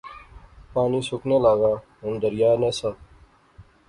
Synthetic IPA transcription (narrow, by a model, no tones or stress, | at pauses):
paːniːsʊkneːlaːɡaːɦʊnd̪əɾjaːɾneːsaː